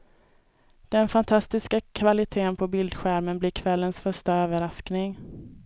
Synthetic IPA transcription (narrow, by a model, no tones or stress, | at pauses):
d̪̥ɛnfant̪ʰast̪ɪskakʰvalɪt̪ʰeːnpʰɔbɪld̪ɧæɾmənblɪɾkʰvɛlːənsfœʂʈaøːvəɾasknɪŋ